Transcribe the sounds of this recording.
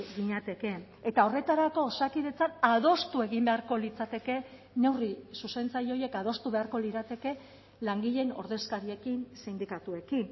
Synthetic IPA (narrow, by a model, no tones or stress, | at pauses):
ɡiɲat̪e̞ke̞ː | t̪ao̞re̞t̪aɾako̞ːsakiðe̞t͡sanaðo̞st̪ue̞ɣimbe̞aɾko̞lit͡sat̪e̞ke̞ | ne̞wrisuse̞nt͡saɾio̞je̞kað̞o̞st̪uβe̞aɾko̞liɾat̪e̞ke̞ | laŋɡiʎe̞no̞ɾðe̞skaɾie̞kinsind̪ikat̪ue̞kin